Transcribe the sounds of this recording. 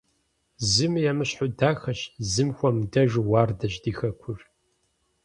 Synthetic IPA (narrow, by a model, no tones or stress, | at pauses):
zɨmjamɨɕħʊdaːxɐɕzɨmxʷɔmdɐʒɨwaːrdɐɕdiːxɐkʷʰʊr